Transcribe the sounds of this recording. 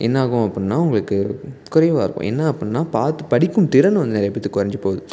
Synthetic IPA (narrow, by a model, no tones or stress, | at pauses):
ʔɛnːɐaːɣʊ̃ɐpːɐɳnːaːʊŋɡɐɭɯkːɯkʊɾɐjʋaːɪɾɯkːõ̰ʔɛ̰nːɐɐpːɯɳnaːpaːɾt̪ɯpɐɽɪkːɯmt̪ɪɾɐnɐʋɐnd̪ɐnɛːɾɐjɐpːɐt̪ːɯkːʊɾɐɲd͡ʒɯpoːðɯ